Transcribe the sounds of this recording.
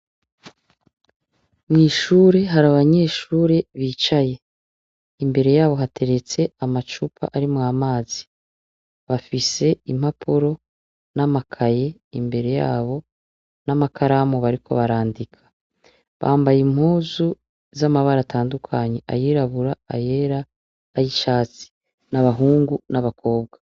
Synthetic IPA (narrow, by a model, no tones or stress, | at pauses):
mŋiːʃuːɾe̞ɦaɾaβaɲe̞ːʃuːɾe̞βiːt͡ʃaje̞ | imbe̞ɾe̞jaːβo̞ɦatʰe̞ɾet͡se̞amat͡ʃupʰa̰ʔaɾimŋaːmaːzi | βafise̞im̥hapʰuɾo̞ | namakʰaje̞imbe̞ɾe̞ja̰ːβo̞ | namakʰaɾamoβaɾikʰo̞̰βaɾaːndikʰḁ | βa̰ːmbajim̥huːzu | zamaβaɾatʰaːndukʰaɲe̞ʔa̰jiːɾaβuɾaa̰je̞ɾaː | jiʃaːt͡si̥ | naβaɦuːŋɡunaβakʰo̞ːbɡwa